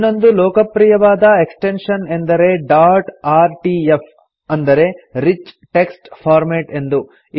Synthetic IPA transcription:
nːo̞nd̪ulɔːkɐpɾijɐʋaːd̪ɐeksʈenʂɐne̞nd̪ɐɾe̞ɖaːɾʈaːɾʈief | ɐnd̪ɐɾe̞ɾit͡ʃʈe̞ksʈpʰaːɾmeːʈe̞nd̪u | i

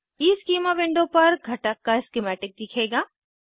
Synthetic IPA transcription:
iːskiːmaʋɪ̃ɳɖõpɐɾɡʱɐʈəkːaɪskɪmɛːʈɪk̚d̪ɪkʰeːɡaː

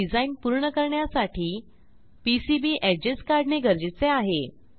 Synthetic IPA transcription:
id͡zainpuɾɳəkəɾɳjasaʈʰiː | pisibiːʔɛd͡ʑeskaɾɖneɡʱəɾd͡ʑit͡seaɦe

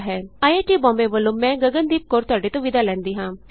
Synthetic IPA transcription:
ɦɛːaːjeʈibɔ̃ːmbeʋəlõːmːɛ̃ːɡɐɡə̃nd̪iːp̚koːɾt̪ʊaːɖet̪õʋɪd̪ʱalɛ̃ːnd̪iːɦãː

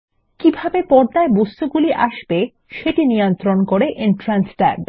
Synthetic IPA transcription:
kibʱabepɔɾd̪aebost̪uɡuliʔa̰ʃbe | ʃeʈinijont̪ɾonkoɾeʔenʈɾansʈa̰b

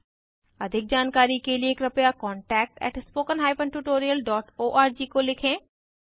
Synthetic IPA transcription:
ɐd̪ʱɪk̚d͡ʒaːnkaːɾikelieːkɾɐpjakɔ̃ːɳʈɛːk̚ʈɛ̰ːʈspoːkənɦaːɪpə̃nʈuːʈoːɾiəlɖɔːʈoːʔaːɾd͡ʒiːkolɪkʰẽː

